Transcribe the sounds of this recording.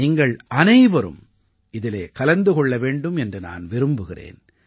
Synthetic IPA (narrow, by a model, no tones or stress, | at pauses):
iːŋɡɐɭʔɐnɐɪʋɐɾɯ̰m | ɪðɪleːkɐlɐnd̪ɯkɔɭːɐʋeːɳɖɯmɛndrɯna̰ːnʋɪɾɯmbɯɣɪrḛːn